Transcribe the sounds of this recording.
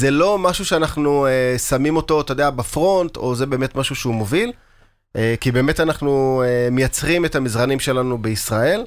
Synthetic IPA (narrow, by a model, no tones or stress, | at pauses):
zelo̞maʃuʃeanaχnuesamimo̞to̞t̪ajdeabafʁo̞nto̞zebe̞ːmetmaʃuʃeumo̞vil | ekibe̞ːme̞tanaχnuemejat͡sʁimetamizʁanimʃe̞lanubeisʁae̞l